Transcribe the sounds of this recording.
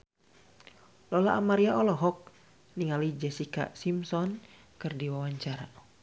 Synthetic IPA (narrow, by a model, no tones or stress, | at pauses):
lɔlaʔamaɾiaɔlɔɦɔk̚ | niŋalid͡ʒɛsika̰simsɔn | kɨrdiwawaɲt͡ʃaɾa